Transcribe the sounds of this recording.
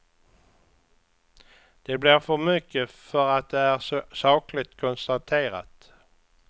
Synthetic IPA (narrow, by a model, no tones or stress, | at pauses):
d̪̥ɛblɪɾfœɾmʏkːəfœɾat̪̚d̪ɛæɾsɑːklɪt̪kʰʊnst̪at̪ʰeːɾa̰t̪